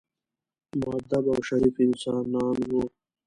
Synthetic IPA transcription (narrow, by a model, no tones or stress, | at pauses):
maːd̪ɐbawɕɐɾiːfinsaːnaːnɡoː